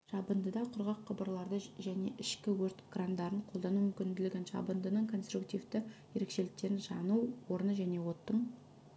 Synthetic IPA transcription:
ʒ̥ɑbənd̪əd̪ɑqʰʊɾʁɑqʰːəbəɾlˠɑɾd̪əʒæne̞ʔɪʃkʲɪwɵɾt̪ɡ̥rand̪ɑɾəɴqʰolˠd̪ɑnumʏmkʲɪnd̪ɪlɪɡʲɪnʒɑ̰bənd̪ənəɴkʰo̞nst̪ɾukt̪ijvd̪ɪje̞ɾekʃe̞lɪk̚t̪e̞ɾɪnʒɑnuwwo̞ɾənəʒæne̞wo̞t̪ːəɴ

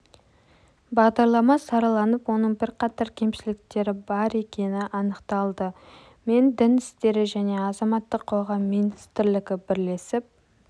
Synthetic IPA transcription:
bɑʁd̪ɑɾlˠɑmɑsɑɾɑlˠɑnəpwo̞nəɴbɪɾqɑt̪ɑɾkʲʰe̞mʃɪlɪk̚t̪e̞ɾɪbɑɾe̞kʲe̞nɪʔɑnəqt̪ɑlˠd̪ə | me̞nd̪ɪnɪst̪e̞ɾɪʒæne̞ɑzɑmɑt̪ːəqʰːo̞ʁɑmːinist̪ɾlɪɡʲɪbɪɾle̞sɪp̚

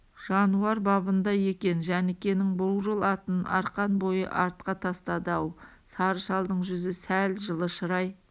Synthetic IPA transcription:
ʒ̥ɑnuɑɾbɑbənd̪ɑje̞kʲe̞nʒænɪkʲe̞nɪŋbʊwʒəlˠɑt̪ənɑ̰ɾqɑnbo̞jə̰ʔɑɾt̪̚qɑt̪ʰɑst̪ɑd̪ɑw | sɑɾəʃɑlˠd̪əɴʒʏzɪsælʒəlˠəʃəɾɑj

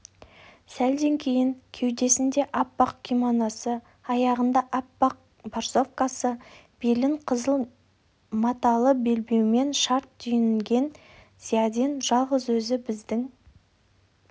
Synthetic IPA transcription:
sæld̪e̞ŋkʲʰe̞jɪŋkʲʰe̞wd̪e̞sɪnd̪e̞ʔapːɑq̚kʲʰimonɑsə | ɑjɑʁənd̪ɑʔapːɑq̚ | borso̞fkasə | b̥elɪŋqʰəzəlˠ | mɑt̪ɑlˠəbe̞lbe̞wme̞nʃɑɾt̪ːʏjɪnɪlɡʲe̞n | z̥ijad̪ʲenʒ̥ɑlˠʁəzwɵzɪbɪzd̪ɪŋ

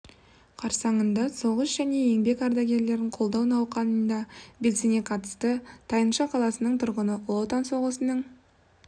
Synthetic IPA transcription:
qʰɑɾsɑɴənd̪ɑso̞ʁəsʒ̥æne̞je̞ŋbe̞kɑɾd̪ɑɡʲe̞ɾle̞ɾɪɴqʰolˠd̪ɑwnɑwqɑnənd̪ɑbe̞lsene̞qʰɑt̪ə̥st̪ət̪ʰɑjənʃɑqʰɑlˠɑsənəɴt̪ʰʊɾʁənəlˠot̪ɑnso̞ʁəsənəɴ

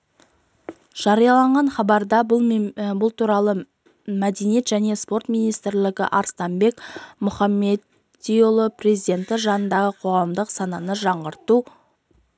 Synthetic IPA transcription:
ʒ̥ɑɾijɑlˠɑɴʁɑnχɑbɑɾd̪ɑ | bʊlˠt̪ʰuɾɑlˠə | mæd̪enije̞t̪ʒæne̞spo̞rt̪mijnijst̪ɾlɪɡʲɪ̰ʔɑɾst̪ɑmbe̞kmʊχɑmːe̞d̪ | ijolˠəpre̞zijd̪e̞nt̪ɪʒɑnənd̪ɑʁəqʰo̞ʁɑmd̪əqsɑnɑnəʒɑɴʁəɾt̪u

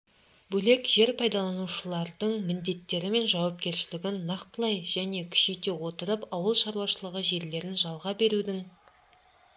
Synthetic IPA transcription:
bɵle̞kʒe̞ɾpʰɑjd̪ɑlˠɑnuʃəlˠɑɾd̪əɴmɪnd̪e̞t̪ːe̞ɾɪme̞nʒɑwɑp̚kʲe̞ɾʃɪlɪɡʲɪnːɑqt̪̚pəlˠɑjʒ̥æne̞kʲʰʏ̥ʃejt̪ewo̞t̪əɾəpɑwəlˠʃɑɾuwɑʃəlˠəʁəʒe̞ɾle̞ɾɪnʒɑlˠʁɑbe̞ɾud̪ɪŋ

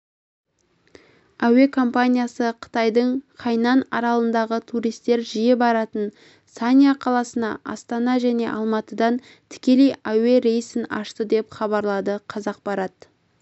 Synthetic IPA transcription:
æwe̞kʰo̞mpanʲijasəqʰə̥t̪ɑjd̪əɴqʰɑjnɑnɑɾɑlˠənd̪ɑʁət̪ʰuɾijst̪e̞ɾʒijebɑɾɑt̪ən | sanʲjaqʰɑlˠɑsənɑ̰ʔɑ̰st̪ɑnɑʒæne̞̰ʔɑlˠmɑt̪əd̪ɑn | t̪ʰɪ̥kʲe̞le̞jæwe̞ɾe̞jsɪnɑ̰ʃt̪əd̪e̞pχɑβɑɾlˠɑd̪əqʰɑzɑq̚bɑɾɑt̪

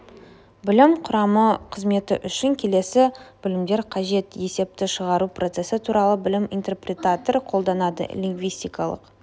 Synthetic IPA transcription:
bɪlɪmqʰʊɾɑməqʰəzme̞t̪ɪ̰ʔʏʃɪŋkʲʰe̞le̞sɪb̥ɪlɪmd̪e̞ɾqʰɑʒe̞t̪je̞se̞p̚t̪ɪʃəʁɑɾupro̞t̪se̞sɪt̪ʰuɾɑlˠəbɪlɪmint̪e̞rprʲe̞t̪at̪orqʰolˠd̪ɑnɑd̪ə̰lʲiŋɡvijst̪ijkɑlˠə̰q

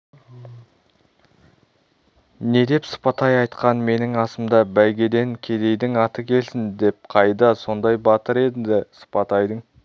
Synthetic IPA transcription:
ne̞d̪e̞psə̥pɑt̪ɑjɑjt̪qɑnme̞nɪŋɑsəmd̪ɑbæjɡʲe̞d̪e̞ŋkʲʰe̞d̪e̞jd̪ɪŋɑt̪əkʲʰe̞lsɪnd̪e̞p̚qʰɑjd̪ɑso̞nd̪ɑjbɑt̪əɾe̞d̪ɪd̪ɪsə̥pɑt̪ɑjd̪əŋ

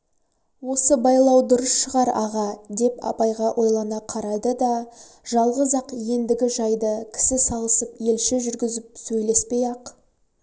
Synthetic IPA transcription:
wo̞səbɑjlˠɑwd̪ʊɾəsʃəʁɑɾɑ̰ʁɑd̪e̞pɑ̰pɑjʁɑʔo̞jlˠɑnɑqʰɑɾɑd̪əd̪ɑ | ʒ̥ɑlˠʁəzɑqje̞nd̪ɪɡʲɪʒɑjd̪əkʲʰɪ̥sɪsɑlˠəsəpje̞lʃɪʒʏɾɡʲɪzɪp̚sɵjle̞spe̞jɑq

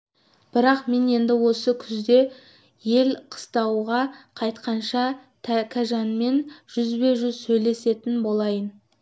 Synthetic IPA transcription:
b̥ɪɾɑqme̞ne̞nd̪ɪwo̞səkʲʰʏzd̪e̞ | je̞lqʰə̥st̪ɑwʁɑqʰɑjt̪qɑnʃɑt̪ʰkʲʰæʒɑnme̞nʒ̥ʏzbe̞sʒʏzsɵjle̞se̞t̪ɪnbo̞lˠɑjən

